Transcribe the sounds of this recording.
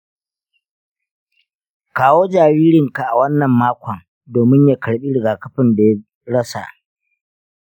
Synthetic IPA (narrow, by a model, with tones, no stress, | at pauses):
kaː˦woː˦d͡ʒaː˨ɾiː˦ɾɪ˨ŋka˨ʔa˨wɐ˦nːɐ˨mːaː˦kʷʰɐ˨ŋ | doː˨mɪ˦ɲja˨kɐ˨ɽɓi˦ɽɪ˨ɡaː˨kɐ˦ɸɪ˨nda˨ja˦ | ɽɐ˦sa̰˨ʔ